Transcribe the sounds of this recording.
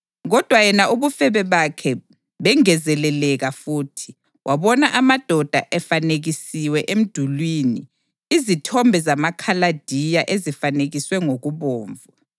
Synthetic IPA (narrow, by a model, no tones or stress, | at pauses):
ɣɔd̥ʱwajɛnaʔuβufɛβɛβakʰɛ | βɛŋɛzɛlɛlɛɣafuːtʰi̥ | wʔaβɔnaʔamad̥ʱɔd̥ʱaʔɛfaneɣisiwɛʔem̩d̥ʱulwini | izitʰɔmbʱɛzamakʰalad̥ʱijaʔezifaneɣiswɛŋoɣuβoːɱvu